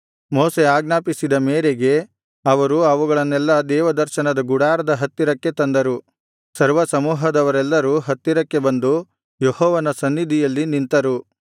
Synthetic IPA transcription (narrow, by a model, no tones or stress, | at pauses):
moːseaːɡnaːpisid̪ɐmeːɾeɡe̞ | ɐʋɐɾuɐʋuɡɐɭɐnːɛlːɐd̪ɛːʋɐd̪ɐɾʃɐnɐd̪ɐɡuɽaːɾɐd̪ɐɦɐt̪ːiɾɐkːe̞t̪ɐnd̪ɐɾu | sɐɾʋɐsɐmuːɦɐd̪ɐʋɐɾɛlːɐɾuɦɐt̪ːiɾɐkːe̞bɐnd̪u | johɔːʋɐnɐsɐnːid̪ʱijɐlːinint̪ɐɾu